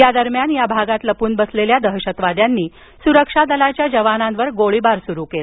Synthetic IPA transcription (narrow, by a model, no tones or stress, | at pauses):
jad̪əɾmjanjabʱaɡat̪ləpuːnbəsleljad̪əɦɕət̪ʋad̪janːiː | suɾəkʂad̪əlat͡ɕjad͡ʑəʋananʋəɾɡoɭibaɾsuɾukela